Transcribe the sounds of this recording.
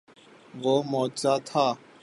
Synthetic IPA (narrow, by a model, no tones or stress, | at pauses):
ʋoːmoːt͡ʃaːt̪ʰaː